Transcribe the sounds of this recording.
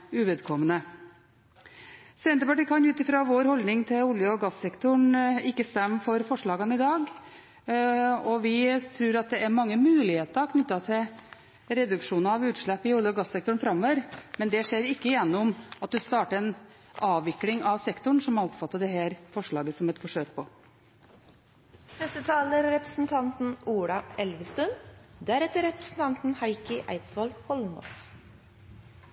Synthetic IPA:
ʉʋɛd̪kʰɔmːənə | sɛnt̪əpɑʈiːkʰɑnjʉːt̪ɪfɾoːʋoːɾhɔld̪nɪŋt̪ʰɪlʊljəɔɡɑsːɛkt̪ʊɳɪkːəst̪ɛmːəfɔɾfɔʂɭɑːɡənəɪd̪ɑːɡ | ɔʋɪt̪ʰɾʉːɾɑt̪̚d̪ɛæɾmɑŋːəmʉːlɪheːt̪əɾɔkʰnʏt̪ːɑt̪ʰɪl | ɾɛd̪ʉkʂuːnɑɑʋʉːt̪ʂɭɛpːɪʊljəɔɡɑsːɛk̚t̪ʊɳfɾɑmːɔʋəɾmɛnd̪ɛʂeːɾɪkːəɪjɛnːʊmɑt̪̚d̪ʉst̪ɑːʈəɾɛn | ɑːʋɪklɪŋɑʋsɛkt̪ʊɳsɔmhɑɾɔpfɑt̪ːɑd̪ɛhæːɾfɔʂɭɑːɡəsɔmɛt̪fɔʂøːk̚pʰɔ | nɛst̪ət̪ʰɑːləɾːɛpɾəsn̩t̪ʰɑnt̪n̩uːɽɑɛlʋəst̪ʉnd̪æɾɛt̪ːəɾɛpɾə̥sn̩t̪ʰɑnt̪n̩hɑɪkəʔæ̰ɪt̪sʋɑlhɔlmɔ̰s

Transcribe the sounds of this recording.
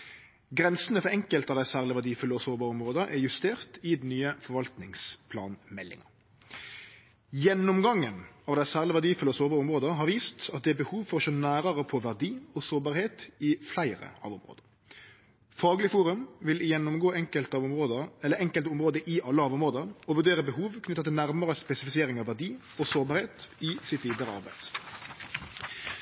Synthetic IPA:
ɡɾɛnsənəfɔɛŋkəlt̪ɑʋd̪æɪsæːʁlɪʋæd̪iːfʉlːəɔsoːbɑːʁəʊmʁoːd̪əʔæjʉst̪eːʁt̪ɪd̪nːyːəfɔɾʋɑlt̪nɪŋspʰlɑ̰ːnmɛlːɪ̰ŋɑ | jɛnːʊmɡɑŋːənɑːʋd̪æɪsæːʁlɪʋæd̪iːfʉlːəɔsoːbɑːʁəʊmʁoːd̪əɦɑɾʋiːst̪ɑt̪̚d̪ɛæbəhuːʋfɔʁɔʃoːnæːɾəʁəpʰɔʋæʁd̪iːɔsoːbɑːɾheːt̪ɪflæɪʁə̰ɑ̰ːʋʊmʁo̰ːd̪əʁ | fɑːɡəlɪfuːɾʉmʋɪljɛnːʊmɡoːɛŋkəlt̪ɑʋʊmʁoːd̪əɛlːəɛŋkəlt̪ʊmʁoːd̪əʔɪɑlːəɑːʋʊmʁoːd̪əʁɔʋʉʁd̪eːʁəbəhuːʋkʰnʏt̪ːɑt̪ɪlnæʁməʁəspɛsɪfɪsɪjeːʁɪŋɑʋæd̪iː | ɔsoːɾbɑːɾheːt̪ɪsɪt̪ʋiːd̪əʁəɑ̰ɾbæ̰ɪd̪̥

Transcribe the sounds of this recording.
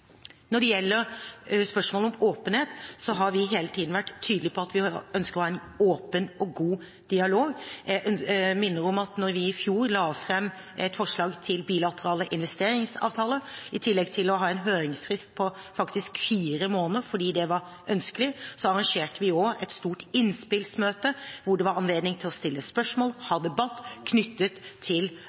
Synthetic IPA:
nɔɖɛjɛlːəɾspœʂmoːləɔmoːpənheːt̪sɔɦɑɾʋɪɦeːlət̪ʰiːd̪n̩ʋæʈːt̪ʰːyːd̪lɪpʰɔɑt̪ʋɪœnskəɾɔhɑɛn | oːpənɔɡuː | d̪̥ɪɑloːɡjæʔœnmɪnːəɾɔmɑt̪nɔɾʋɪɪfjuːɾlɑːfɾɛmː | ɛt̪fɔʂɭɑːɡt̪ʰɪlbiːlɑt̪əɾɑːləʔɪnʋɛst̪eːɾɪŋsɑ̰ːʋt̪ʰɑːləɪt̪ʰɪlːɛɡt̪ʰɪlɔɦɑːɛnɦøːɾɪŋsfɾɪst̪̚pʰɔ | fɑkt̪ɪskfiːɾəmoːnəɾfɔɖiːd̪ɛʋɑɾ | ʔœnskəlɪsɔɑɾɑŋʃeːʈəʋɪoːɛt̪st̪uːʈɪnspɪlsmøːt̪əʋʊɖɛʋɑɾɑnleːd̪nɪŋt̪ʰɪlɔst̪ɪlːəspœʂmoːlhɑd̪ɛbɑt̪ːkʰnʏt̪ːət̪ʰːɪl

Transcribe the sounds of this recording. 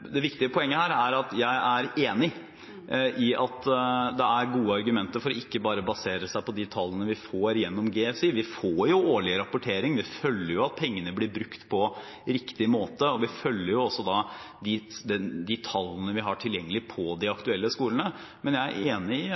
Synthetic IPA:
d̪ɛʋɪkt̪ɪəpʰɔɛŋːəhæːɾæɾɑt̪jæɪʔæɾeːnɪ | ʔɪʔɑt̪d̪ɛæɾɡuːəɑɾɡʉmɛnt̪əɾfɔɾɔɪkːəbɑːɾəbɑseːɾəsæɪpɔd̪ɪt̪ʰɑlːənəʋɪfoːɾjɛnːɔmɡeːɛfsiːʋɪfoːɾjʊoːɭɪɾɑpʊʈʰeːɾɪŋʋɪfœlːəɾjʊɑt̪̚pʰɛŋːənəblɪɾbɾʉkt̪pʰɔ | ɾɪkt̪ɪmoːt̪əɔʋɪfœlːəɾjʊɔsːɔd̪ɑd̪ɪd̪ɛd̪ɪt̪ʰɑlːənəʋɪɦɑʈʰɪljɛŋːəlɪpʰɔd̪ɪɑkt̪ʉɛlːəskuːlənə | mɛnjæɪæ̰ɾeːnɪɪ

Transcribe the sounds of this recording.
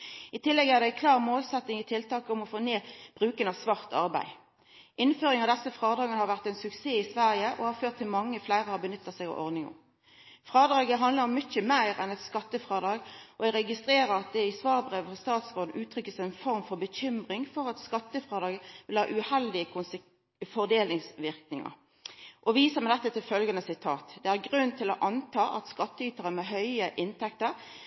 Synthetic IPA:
ɪt̪ʰɪlːɛɡæʁd̪ɛækʰlɑːʁmoːlsɛt̪nɪŋɪt̪ʰɪlt̪ɑːkəʊmɔfoːneːb̥ʁʉːkənɑsʋɑʁt̪ɑ̰ʁbæ̰ɪ | ʔɪnføːʁɪŋɑʋd̪ɛsəfʁɑːd̪ɑːɡənəhɑɾʋæʁt̪ɛɪnsʉkseːɪsʋæʁjəʔɔ̰hɑɾføːʁt̪ʰːɪlmɑŋːəflæɪʁəhɑbənʏt̪ːəsɛɡɑ̰ʔɔ̰ʁd̪nɪŋʊ̰m | fʁɑːd̪ʁɑːɡəɦɑnd̪ləɾɔmːʏçəmæɪʁɛnɛt̪skɑt̪ːəfʁɑːd̪ɑːɡʔɔɛɡɾɛɡɪst̪ɾeːɾəɾɑt̪̚d̪ɛɪsʋɑːʁbʁeːʋəfɔst̪ɑːt̪sʁoːd̪n̩ʔʉːt̪ʰɾʏkːəsæɛnfɔɾmfɔɾbəçʏmʁɪŋfɔʁɑt̪skɑt̪ːəfʁɑːd̪ɑːɡəʋɪlhɑ̰ːʔʉhɛld̪ɪəkʰʊns | fɔʁd̪eːlnɪŋsʋɪʁknɪŋə̰ | ʔɔʋiːsəʁmɛɪɛt̪ːət̪ʰɪlfœlɡɑnəsɪt̪ʰɑːt̪d̪̥ɛæʁɡʁʉnnt̪ʰɪlɔʔɑnt̪ʰɑːʔɑt̪skɑt̪ːəyːt̪əʁəmɛɦœʏəʔɪnt̪ʰɛkt̪əɾ

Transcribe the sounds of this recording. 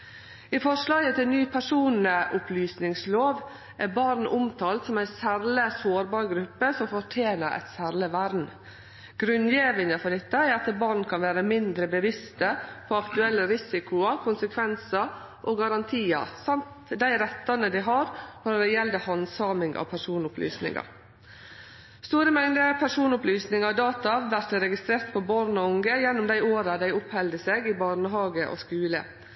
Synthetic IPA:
ɪfɔʂlɑːɡət̪ʰɪnyːpʰæʂuːnəʔʊpʰlyːsnɪŋsloːʋ | ʔæɾbɑɾnʔʊmt̪ʰɑːlt̪sɔmæɪsæɾləsoːɾbɑːɾɡɾʉpːəsɔmfɔʈʰjeːnəɾʔɛ̰ɪt̪sæɾɭəʋæɾdn̩ | ɡ̥ɾʉnjeːʋənəfɔɖ̪ɪt̪ːəæɾɑt̪əbɑɾnkʰɑnʋæːɾəmɪnd̪ɾəbəʋɪst̪əpʰɔɑkt̪ʉɛlːəɾɪsɪkʊɑkʰʊnsəkʰʋɛnsɑ | ʔɔɡɑɾɑnt̪ʰiːɑ̰sɑmt̪d̪æɪɾɛt̪ːɑnəd̪ɪɦɑɾfɔɾd̪ɛjɛld̪əhɑnsɑmɪŋɑ̰ʋpʰæʂuːnʊply̰ːsnɪ̰ŋɑ̰ | st̪uːɾəmɛŋd̪əpʰæʂuːnʊplyːsnɪŋɑd̪ɑːt̪ɑʋæɾt̪əɾɛɡɪst̪ɾeːɾt̪pʰɔbɑɾnɔʊŋɡəjɛnːʊmd̪æɪoːɾɑd̪æɪʊphɛld̪əseːɡɪbɑɾɳəɦɑːɡəʔɔ̰skʉːlə̰

